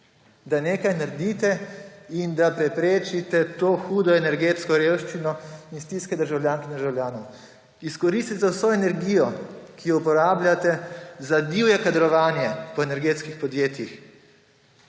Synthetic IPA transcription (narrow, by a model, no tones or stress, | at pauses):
d̪aneːkajnaɾd̪it̪ɛind̪apɾɛpɾeːt͡ʃit̪ɛt̪oːxuːd̪ɔɛnɛɾɡeːt̪skɔɾewʃt͡ʃinɔinst̪iskɛd̪əɾʒawlʲjaːŋkɛnd̪əɾʒawljaːnɔw | iskɔɾist̪it̪ɛwsoɛnɛɾɡiːjɔkijɔupɔɾaːblʲjat̪ɛzad̪iwjɛkad̪ɾɔʋaːnjɛpɔenɛɾɡeːt̪skixpɔd̪jeːt̪jix